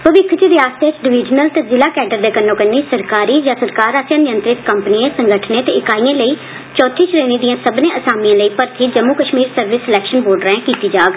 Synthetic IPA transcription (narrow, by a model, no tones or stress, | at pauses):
pəʋɪkʰt͡ʃiʋɪjaːst̪et͡ʃɖɪʋɪːd͡ʒnəlt̪eːzɪlaːkɛːɖəɾd̪eːkənːõːkənːiːsəɾkaːɾiːd͡ʒaːsəɾkaːɾaːsjaːnɪjənt̪ɾɪt̪kəmpəniẽːsəŋɡəʈʰnẽːt̪eːɪkaːijãːləiː | t͡ʃɔːt̪ʰiːʃɾeːniːd̪ijãːsəbnẽːʔəsaːmijãːləiːpəɾt̪ʰiːd͡ʒəmːukəʃmiːɾsəɾʋɪsɪlɛːkʃənboːɾɖɾɛ̃ːkiːt̪iːd͡ʒaːɡ